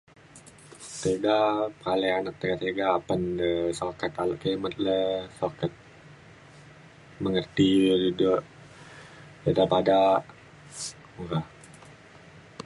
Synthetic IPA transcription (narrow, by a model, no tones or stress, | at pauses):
t̪eɡapəɾalejanak̚t̪eɡat̪eɡaːpəndəsokat̪alaʔkemət̪̚ləsokat̪̚ | məŋərt̪idudʊʔ | edapadaʔ | uɾa